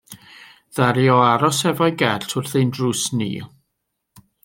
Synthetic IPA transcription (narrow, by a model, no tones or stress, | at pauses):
ðaɾjɔaɾɔsɛvɔjɡɛɬtʰʊrθejndruːsnḭː